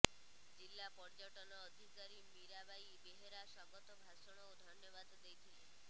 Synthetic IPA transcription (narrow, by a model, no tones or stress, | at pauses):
d͡ʒilːapɔɾd͡ʒɔʈɔnɔːd̪ʱikaɾimiɾabajibeɦeɾasɔɡɔt̪ɔbʱasɔɽ̃ɔod̪ʱɔnjɔbad̪ːejt̪ʰiɦe